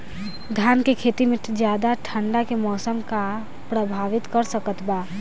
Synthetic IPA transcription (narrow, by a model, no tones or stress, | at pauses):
d̪ʱjankekʰet̪imed͡ʒjad̪aʈʰəɳɖakemɔsəmka | pɾəbʱaʋit̪kəɾsəkət̪ba